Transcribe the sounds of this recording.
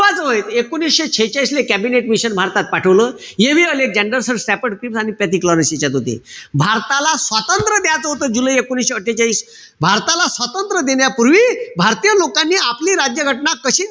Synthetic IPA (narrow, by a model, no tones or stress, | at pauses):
ʋad͡zəʋəjt̪ekonisɕet͡ɕʰejt͡ɕaislekɛbineʈmiɕənbʱaɾt̪at̪̚paʈʰəʋlə | jeʋiːəlek̚d͡zɛɳɖəɾsəɾsʈæpəɽkɾipsaɽ̃ipjɛt̪iklɔnəset͡ɕat̪ɦot̪ḛbʱaɾt̪alasʋat̪ənt̪ɾəd̪jat͡səɦot̪əːd͡zuləjekonisɕeəʈʰːjat͡ɕaiːs | bʱaɾt̪alasʋat̪ənt̪ɾəd̪eɳjapuɾʋiːbʱaɾt̪ijəlokanːiːapliːɾad͡ʑjəɡʱəʈnakəɕiː